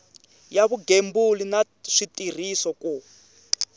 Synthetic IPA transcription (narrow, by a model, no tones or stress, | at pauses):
jaβuɡembulina | ʂitir̤isɔku